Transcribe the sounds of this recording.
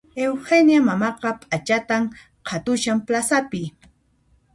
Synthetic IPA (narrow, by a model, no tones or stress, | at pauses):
ewxenjamamɑqɑpʼat͡ʃat̪am | qʰat̪ʊʃamplasapɪ